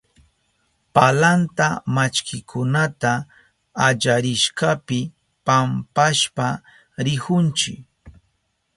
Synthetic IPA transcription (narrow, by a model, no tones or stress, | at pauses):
palant̪amat͡ʃkʰɪkʰʊnat̪aː | ʎaɾɪʃkapɪ | pampaʃpa | ɾɪhʊnt͡ʃɪ̰k